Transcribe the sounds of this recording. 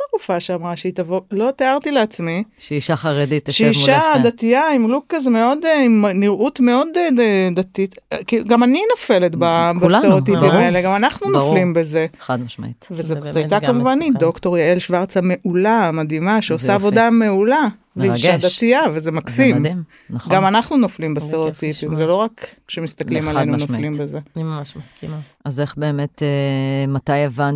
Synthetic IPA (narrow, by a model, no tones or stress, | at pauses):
taʁufaʃeamʁaʃeit̪avolo̞t̪eaʁt̪ileat͡smiʃeiʃaχaʁed̪it̪ʃeiʃad̪at̪iaimlukːazmeo̞d̪eimniʁʔut̪me̞od̪d̪at̪it̪kiɡamaninofe̞let̪babasteʁo̞t̪impimaeleɡamanaχnunoflimbe̞ze̞ad̪aʃma̰it̪vezeajt̪akamuvanid̪o̞kt̪o̞ʁjaelʃvaʁt͡same̞ʔulamad̪imaʃeosaavo̞d̪ame̞ula | veiʃd̪at̪iavezemaksimdi | nχɡɡamanaχnunoflimbest̪eʁeot̪ipimzeloʁak | ʃemist̪ɐklimalejnunoflimbe̞ze̞iaʃskima | azeχbe̞ːmet̪emat̪ajevan